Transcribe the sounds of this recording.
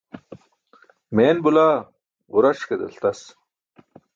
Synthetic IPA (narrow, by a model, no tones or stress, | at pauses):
meːnbulaː | uɾɐʂked̪ḛlt̪ɐs